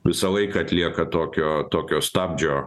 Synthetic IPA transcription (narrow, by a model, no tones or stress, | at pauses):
ʋʲɪsɐlˠɐɪkɐɐt̪ʲlʲiɛkɐt̪oːkʲoːt̪oːkʲoːst̪ɑːb̚ʲd͡ʒʲoː